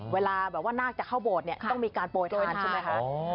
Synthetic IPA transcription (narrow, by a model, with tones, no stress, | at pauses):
weː˧laː˧bɛː˨˩p̚waː˥˩naː˥˩k̚t͡ɕa˨˩kʰa˥˩wboː˨˩t̪̚ni˥˩ɐt̪ɔ˥˩ŋmiː˧kaː˧npoː˧˩t̪̚lu˥˩˨a˧nt͡ɕʰːma˦˥jkʰa˦˥ʔ